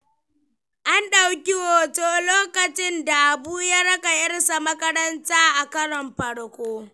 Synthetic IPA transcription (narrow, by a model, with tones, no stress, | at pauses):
ʔa˦nɗa˨wkʲɪ˦woː˨toː˦loː˦kɐ˨t͡ʃɪ˦nda˨ʔa˨buː˦ja˦ɽɐ˦ka˨ʔɪ˦rsa˨mɐ˦kɐ˦ɾɐ˦ntaː˦ʔa˨kɐ˦ɽɔ˨mɸɐ˨ɽkʷʼoː˦